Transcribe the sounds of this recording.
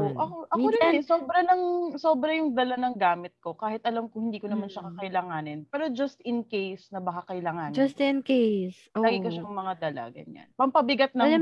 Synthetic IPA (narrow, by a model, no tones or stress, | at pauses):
ʔoʔɐkoʔɐkoɾɪnɛsoːbɾɐnɐŋso̞ːbɾɐjʊŋd̪ɐlanɐŋɡaːmɪt̪̚ko̞kaːhɪt̪ʔɐlamkʊŋhɪnd̪iːkonɐmanʃɐkɐkɐɪlaːŋaːnɪnpɛːɾo̞d͡ʒɐst̪ɪnkejsnɐbɐkakɐɪlaːŋaːnd͡ʒɐst̪ɪnkejs | aːɡɪkɐʃaŋmɐŋad̪ɐla̰ɡɐ̰ɲa̰npɐmpɐbɪɡat̪̚nɐŋ